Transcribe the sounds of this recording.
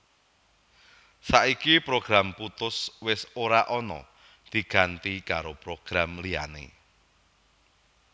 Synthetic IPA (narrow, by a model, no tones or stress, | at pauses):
saʔikipɾoɡ̥ɾamput̪ʊswɪsoɾaʔɔnɔ̰ | d̪̥i̤ɡ̥ant̪ikaɾopɾoɡ̥ɾamlia̰nḛ